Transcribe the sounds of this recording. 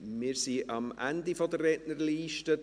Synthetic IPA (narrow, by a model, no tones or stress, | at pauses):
mɪːɾsiʔɑmʔæ̰ndifodərːɛdnərliːʃtə